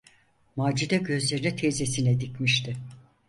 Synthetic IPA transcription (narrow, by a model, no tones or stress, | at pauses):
maːd͡ʒid̪ɛɟø̞zlʲe̞ɾinit̪ʰezesinɛd̪icmiʃt̪ʰɪ